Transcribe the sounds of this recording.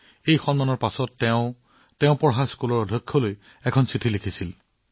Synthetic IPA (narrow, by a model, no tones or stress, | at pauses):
ejxɔnmanɔɹpasɔtːɛʊ | tɛ̃ʊ̃pɔɹɦaskulɔɹɔdʱɔkʰːɔloj | ɛkʰɔnsitʰilikʰisil